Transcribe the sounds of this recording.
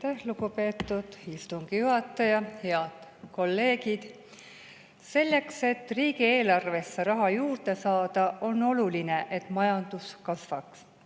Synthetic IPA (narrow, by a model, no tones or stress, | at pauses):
t̪æhlukupe̞ːt̪ːˑud̪̥ist̪uŋɡ̥ijuɦɑt̪ːˑɑjɑhe̞ɑd̪̥ko̞lːe̞ːɡid̪̥ | se̞lːe̞kse̞t̪ːriːɡie̞ːlɑrve̞sːeɾɑɦɑjuːrd̪̥e̞sɑːd̪̥ɑʔo̞no̞luline̞ʔe̞t̪mɑjɑnd̪̥uskɑsvɑks